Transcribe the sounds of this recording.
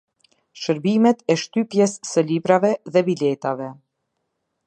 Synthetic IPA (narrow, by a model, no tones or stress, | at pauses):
ʃəɾbimɛt̪ɛʃt̪ypjɛsːəlibɾavɛðɛbilɛt̪avɛ